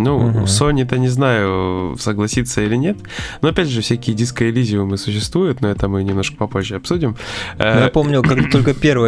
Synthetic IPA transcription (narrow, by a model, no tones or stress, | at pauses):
nusonʲɪt̪ənʲɪznajʊsəɡlˠɐsʲit̪sːəilʲɪnʲe̞t̪nuɐpʲædʲʐɨfsʲækʲɪjədʲiskəɪlʲizʲɪvʊmɨsʊɕːɪst̪vujʊt̪noɛt̪əmɨnʲɪmno̞ʂkə̥pɐpo̞ʑʲːɪɐpsudʲɪməj̪apomnʲɪlˠkaɡd̪at̪olʲkəpʲervə